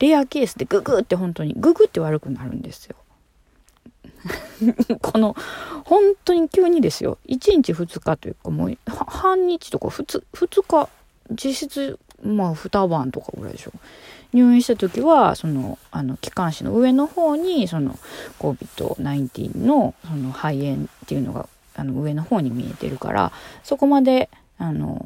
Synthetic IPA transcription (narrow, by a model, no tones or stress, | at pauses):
ɾeake̞ːsɨd̪e̞ɡɯɡɯt̪ːe̞ɦõ̞nt̪o̞ɲ̟ḭɡɯ̟ɡɯ̟t̪ːe̞β̞aɾɯ̟kɯ̟naɾɯ̟̃nd̪e̞sɨ̥jo̞̰ | kʰono̞hõ̞nt̪o̞ɲ̟ikʲɨːɲ̟id̪e̞sɨjo̰it͡ɕĩɲt͡ɕiɸɯ̟t͡sɨ̥kat̪o̞jɯ̟̰kːamo̰ːhahãɲ̟ːit͡ɕi̥t̪o̞ka̰ɸɯ̟t͡sɨɸɯ̟t͡sɨka | d͡ʑiɕit͡sɨ | maɸɯ̟t̪abãnt̪o̞ka̰ɯ̟̰ɾa̰d̪e̞̰ɕo̞ːɲ̟ɨːĩɕi̥t̪at̪o̞kʲiβaso̞no̞̰ano̞kʲi̥kãɰ̃ɕino̞̰ɯ̟e̞no̞ho̞ːɲ̟iso̞no̞̰ko̞bʲit̪o̞̰naĩnt̪ʲḭːno̞so̞no̞haiẽ̞nt̪e̞jɯ̟no̞̰ɡa̰ | ano̞ɯ̟e̞no̞ho̞ːɲ̟imʲie̞̰t̪e̞̰ɾɯ̟ka̰ɾʔa̰so̞ko̞mad̪e̞ | ano̰